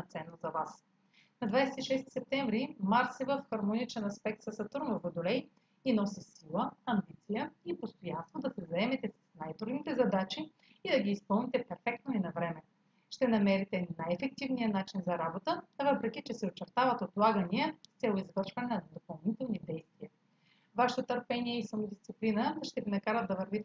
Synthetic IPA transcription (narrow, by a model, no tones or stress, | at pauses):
nɐt̪sɛnːozɐvas | nɐd̪vajsɛt̪iʃɛst̪i̥sɛp̚t̪ɛ̃ɱvɾimaɾsivəfxɐɾmonit͡ʃɛnɐspɛk̚t̪sɐsɐt̪uɾnovod̪ʊlɛj | inɔsisilˠəɐmbit̪sijəipost̪ojanst̪vod̪ɐsɛzɐɛmɛt̪ɛsɐ̥snajt̪ɾuɡ̪nit̪ɛzɐd̪at͡ʃiː | d̪ɐɡʲiːspɤlˠnit̪ɛpɛɾfɛk̚t̪noinɐvɾɛmɛ | ʃt̪ɛnɐmɛɾit̪ɛnajɛfɛk̚t̪ivnijənat͡ʃinzɐɾabot̪əvɤpɾɛkit͡ʃɛsɛot͡ʃɛɾt̪avət̪ot̪lˠaɡəniəst̪sʲɛlˠoizvɤɾʃvɐnɛnɐnɐd̪opɐlˠnit̪ɛlˠnid̪ɛjst̪viə | vaʃɛ̥t̪ot̪əɾpɛniɛisɐmʊd̪ʲist̪siplinəʃt̪ɛvinɐkaɾət̪d̪ɐvəɾvit̪ɛ